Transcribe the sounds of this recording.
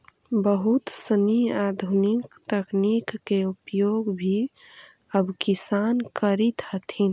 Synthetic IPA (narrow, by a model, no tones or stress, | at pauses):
bəɦut̪səniad̪ʱunikt̪əknikːeupjoɡbʱi | əbkisankəɾit̪ɦət̪ʰin